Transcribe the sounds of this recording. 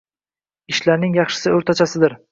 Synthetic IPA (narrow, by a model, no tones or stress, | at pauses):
ɪʃlaɾnɪŋjɑχʃɪ̥sɪɵɾt̪ʰat͡ʃʰasɪd̪ɪɾ